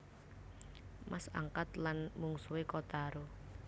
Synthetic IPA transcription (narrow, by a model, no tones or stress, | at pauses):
masa̰ŋkat̪lanmuŋsuwekot̪aɾo